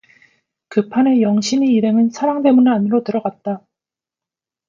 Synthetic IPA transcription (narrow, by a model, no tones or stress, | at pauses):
kɯpʰanejʌŋɕʰiniːɾɦe̞ŋɯnsʰaɾaŋde̞munɯaniɾotɯɾʌɡat̚t͈a